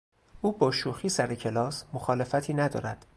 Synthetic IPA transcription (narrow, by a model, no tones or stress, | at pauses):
ʔuːbɒːʃuːxiːsæɾecʰe̞lɒːsmoxɒːle̞fæt̪ʰiːnæd̪ɒ̰ːɾæd̪̥